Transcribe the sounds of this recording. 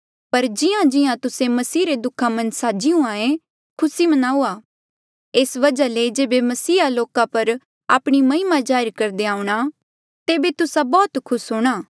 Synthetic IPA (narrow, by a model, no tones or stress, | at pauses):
pɐɾd͡ʒɪjãd͡ʒɪãt̪ʊsemɐsiːɾed̪ʊkʰamɐ̃nsaːd͡ʒiũaːẽ | kʰʊsimɐnaːuaː | eːsʋɐd͡ʒaled͡ʒeːbemɐsiːaloːkapɐɾ | a̰ːpɽ̃imɐɪmad͡ʒaːɪɾkɐɾd̪eaːʊ̃ɽ̃a | t̪eːbet̪ʊsabɔːt̪kʰʊsɦoːɽ̃aː